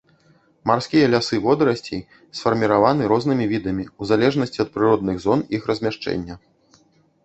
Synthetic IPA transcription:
marskʲijɐlʲasɨvɔd̪ɾɐsʲt͡sʲḭj | sfɐrmʲiɾavanɨɾɔznɨmʲivʲid̪ɐmʲiuzalʲɛʐnɐsʲt͡sʲiɐt̪̚pɾɨɾɔd̪̚nɨɣzɔnixrɐzʲmʲaʂt͡ʂɛ̰nʲːɐ

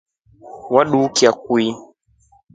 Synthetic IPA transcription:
waɗuːkiak̚wi

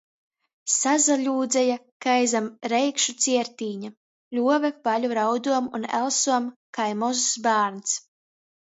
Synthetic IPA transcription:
sazaʎʲuːd̪zɛjakajzamɾɛjkʃut̪sʲiɛɾt̪iːɲa | luɔvɛv̥aʎuɾawd̪uɔmṵnɛ̰lˠsuɔmkajmɔzusbaːɾns

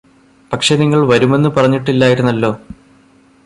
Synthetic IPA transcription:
pɐkʂe̞niŋːɐɭʋɐɾume̞nːɨpɐrɐɲːiʈːilːaːjiɾunːɐlːo̞ː

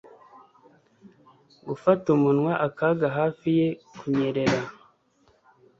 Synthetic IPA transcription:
ɡufatumunwaʔakaɡaɦaːfije̞kuɲe̞ɾe̞ɾa

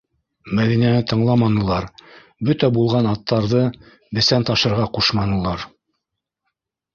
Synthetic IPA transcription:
mæðinænɘt̪ɤ̆ɴlˠɑmɑnɤ̆lˠɑɾ | bɵt̪æbulˠʁɑnɑt̪ːɑɾðɤ | bɘ̆sænt̪ɑʃɤ̆ɾʁɑquʃmɑnɤ̆lˠɑɾ

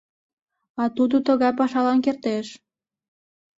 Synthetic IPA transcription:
ɑt̪ud̪ət̪əɣɑjpɑʃɑlɑnkert̪eʃ

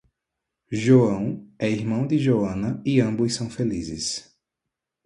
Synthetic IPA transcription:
ʒoɐ̃w̃ɛiɦmɐ̃w̃d̪ɪʒoɐ̃nɐiɐ̃mbʊsɐ̃w̃felizɪs

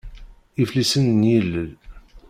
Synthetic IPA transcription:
iflisənnjilːəl

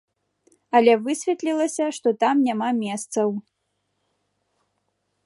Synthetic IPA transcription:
ɐlʲɛvɨsʲvʲɛt̪lʲilˠɐsʲɐʂt̪ɔt̪amnʲamamʲɛst̪sɐw

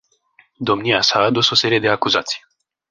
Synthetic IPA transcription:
d̪o̞mniasaːd̪uso̞se̞ɾije̞d̪e̞akuzat̪sʲj

